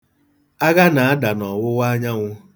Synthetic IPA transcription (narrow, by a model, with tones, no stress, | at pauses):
a˦ɡa˦na˨a˦da˨nɔ˨wʊ˦wa˦ɲa˦ŋʷʊ˦